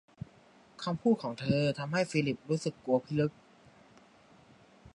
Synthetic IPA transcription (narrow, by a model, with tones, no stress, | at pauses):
kʰa˧mpʰuː˥˩t̪̚kʰɔː˩˦ŋt̪ʰɤː˧t̪ʰa˧mha˥˩jfiː˧li˨˩p̚ɾuː˦˥sɯ˨˩kːu˧ɐpʰi˦˥lɯ˦˥k̚